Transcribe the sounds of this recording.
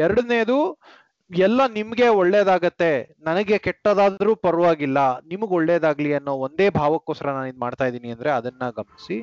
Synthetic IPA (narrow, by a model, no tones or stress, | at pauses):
ɛɾɐɽɐneːd̪u | ɛlːɐnimɐɡe̞ɔɭːeːd̪aːɡɐt̪ːe̞nɐnɐɡe̞kɛʈːɐd̪aːd̪ɐɾuːpɐɾɐʋaːɡilːɐnimɐɡoɭːeːd̪aːɡliɐnːoːond̪eːbʱaːʋɐkːoːskɐɾɐnaːnid̪maːɖt̪aːjd̪iːniɐnd̪ɾe̞ɐd̪ɐnːɐɡɐmɐnisi